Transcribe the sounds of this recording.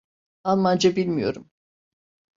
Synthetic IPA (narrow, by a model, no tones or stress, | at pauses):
alˠmand͡ʒabilʲmijo̞̰ɾum